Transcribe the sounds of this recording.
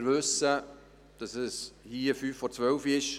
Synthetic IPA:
ɾvʏsə | d̥ɑsɛshiːəfyːfːɔɾt͡sʋœlfiɪʃ

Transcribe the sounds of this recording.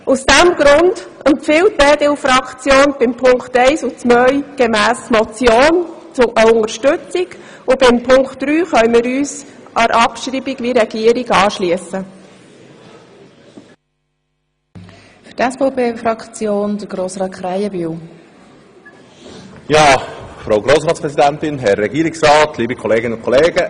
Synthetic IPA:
usd̥æmɡ̥ɾʊnd̥əmpfɪwtːɛːd̪elfɾɑkχt͡sjoːnb̥ɪmpʰʊŋktɛɪsʊt͡smœjɡ̥ɛmæːst͡smɔt͡sjoːnt͡sʊʔəʊŋəɾʃtʏt͡siɡ̥ | ʊbɪmpʰʊŋkχtːɾyːχœjmɪɾyːsʔɑɾʔɑpʃɾiːbiɡʋiɾɛɡiəɾiɡɑːʃliəsə | fytɛsfopeːfɾɑkt͡sjoːnd̪əɾɡɾoːsɾɑːtχɾajəbyːw | jɑːfɾaʊɡɾoːsɾɑːtspɾɛsid̪ænt̪ɪnɦɛɾːɛɡiːɾɪksrɑːt̪ʰliːbikʰɔleːɡɪnʊnkʰɔleːɡə

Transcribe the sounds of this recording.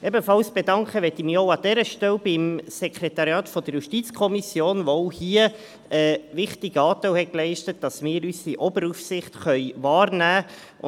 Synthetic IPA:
ʔɛbəfɑlsb̥edɑŋkχəʋɛtimioʊɑd̥ɛɾəʃtɛlbɪmsɛkʰɾɛtɑɾjɑːtfɔd̥əɾjuʃtit͡skʰɔmisjoːnʋoʊhiə | əʋɪχtiɡ̥əɑːtɛwhɛklɛɪʃtət̚d̥ɑsmɪːɾysiʔɔbəɾufsɪχtχœʏvɑːɾnæː

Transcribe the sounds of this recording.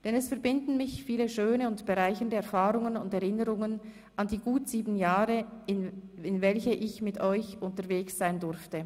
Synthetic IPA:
d̥ɛnɛsfɛɐbɪndn̩mɪçfiːləʃøːnəʊntb̥əʁaɪçəndəɛɐfaːʁʊŋənʊndɛʁɪnəʁʊŋən | ʔɑndiːɡuːtz̥iːbn̩jaːʁəɪnɪnvɛlçəʔɪçmɪtʰɔʏçʔʊntəʁveːksz̥aɪndʊʁftə

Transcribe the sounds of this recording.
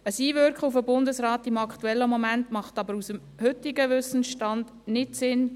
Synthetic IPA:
əsiːʋʏɾkχəufəbʊndəsɾɑːtɪmɑktuɛlːəmomæntmɑχtɑbəɾusəm | hʏtɪɡəʋʏsən̩ʃtɑnd | nɪtsɪn

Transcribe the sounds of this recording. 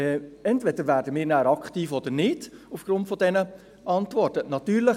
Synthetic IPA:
ɛɛntvɛd̥əɾvæːɾdəmɪːɾnæːɾɑkχtiːfɔd̥̪əɾnɪd̥ufɡ̥ɾʊntfɔdɛnə | ʔɑntʋɔrtənɑtyːɾlə

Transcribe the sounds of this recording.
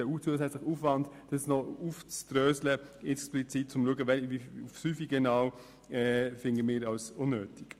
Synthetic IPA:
əut͡suəsɛt͡slɪχuːfvɑndd̥əsnɔuft͡stɾøːsləɪksplit͡sit̚t͡sʊmluəɡəvɛlviufsyːfiɡɛnɑʊ | ɛfɪndəmɪːɾɑlsʊnːøːtɪk

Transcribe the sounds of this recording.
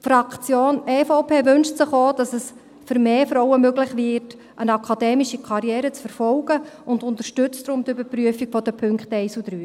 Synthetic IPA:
fɾɑkt͡sjoːnɛːfoʊpʰeːvʏnʃtsəχoːd̥ɑsɛs | fʏɾmeːfɾɔwəmøɡlɪχvɪːɾt | ʔənɑkʰɑdɛːmiʃikʰɑɾjɛːɾət͡sfəɾfɔlɡ̥əʊndʊnt̪əɾʃtʏt͡stdɾʊmtybəpryəfiɡ̥fɔd̥əpʰʏŋkχtɛɪsud̥ɾyː

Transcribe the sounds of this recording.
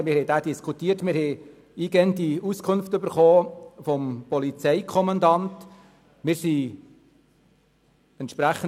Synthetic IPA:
mɪɾhɛɪdæːdiskʰutiːətmɪɾhɛ | iːɡɛəndiuskʰʊnftøbəɾχoːfɔmpɔlit͡sɛɪkʰɔmɑndɑnt | mɪɾsi | ɛntʃpɾæχə

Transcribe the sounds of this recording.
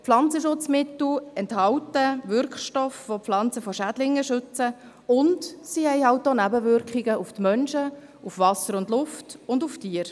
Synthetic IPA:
flɑnt͡səʃʊt͡smɪt̪l̩ɛnthɑwtəʋʏɾkχʃtɔfʋopflɑnt͡səfɔʃæd̥lɪŋːəʃʏt͡sə | ʊndsihɛɪhɑʊt̚doːnæbəʋʏɾkχiɡəuftmœnʃə | ufʋɑsəɾʊndlʊftʊnduftiːəɾ

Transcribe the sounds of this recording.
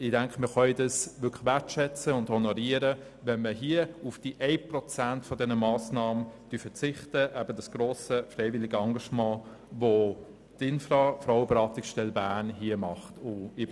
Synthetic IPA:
ɪd̥ɛŋkχəmɪχœɪdɑsʋʏkʰə̥ʋɛtʃɛt͡səʊndhɔnɔɾiəɾə | ʋɛnməɦiəufd̥iʔɛɪprɔt͡sæntfɔdɛnəmɑːsnɑːmənd̥yfət͡sɪχtəʔæb̥ədɑsɡ̥ɾoːsəfrɛɪvɪlɪɡəɑŋɡɑʃmɑ̃ː | vo | tɪnfrɑfɾaʊwəbeɾɑːtɪksʃtɛlbæːnɦiəmɑχtʊɪ

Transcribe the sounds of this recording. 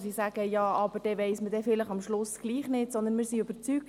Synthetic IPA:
sisæɡ̥əjɑːʔɑb̥əɾd̥ɛʋɛɪsmədɛfɪləχɑmʃlʊsɡ̥liːχnɪtsɔnd̪ənmɪːɾsiøb̥əɾt͡syːk̚

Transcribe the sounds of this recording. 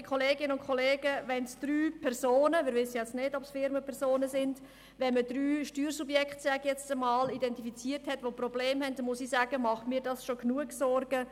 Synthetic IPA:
kʰoleːɡɪnəʊnkʰoleːɡəʋɛnsd̥ɾyːpʰɛɾzoːnəmɪːɾʋɪsəjɛt͡snedɔpsfɪɾməpʰɛɾsoːnəsɪnd | ʋɛnmədɾyːʃtyːɾsubjɛkχtsɛɡjɛt͡stəmɑːlidɛntifit͡siːəɾthɛtʋoprɔbleːmhɛntdmʊsisæːɡ̥əmɑχmiːɾdɑsʃoknuəksɔɾɡə

